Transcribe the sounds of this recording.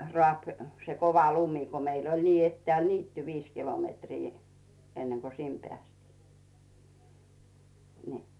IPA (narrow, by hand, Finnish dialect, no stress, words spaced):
rŏɑˑp se koʋɑ lumi̥ ko meil olʲ niː etːĕæˑl niːtːy ʋiːs kilomeˑtriː enːeŋko sim pĕæˑstiː ni